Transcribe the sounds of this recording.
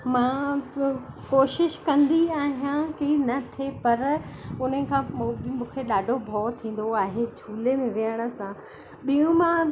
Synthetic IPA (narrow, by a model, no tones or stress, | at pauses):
mãː | koːʃɪʃkɐ̃nd̪iaːɦijãkinɐt̪ʰepɐɾʊn̤əkʰãimũːkʰeɗaːɖʱobʱɔːt̪ʰĩːn̆d̪oaːɦed͡ʑʱuːlemẽʋijəɽ̃ə̆sã | ɓijũmã